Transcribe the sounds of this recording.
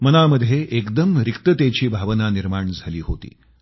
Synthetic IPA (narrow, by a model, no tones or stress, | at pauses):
mənaməd̪ʱjeʔekd̪əmɾikt̪ət̪jet͡ɕiːbʱaʋənaniɾmaɳd͡zʱaliːɦot̪ḭː